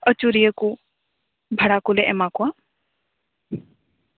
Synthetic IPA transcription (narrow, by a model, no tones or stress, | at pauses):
ət͡ʃuɾijəku | bʱəɽakulɛʔɛmakuwa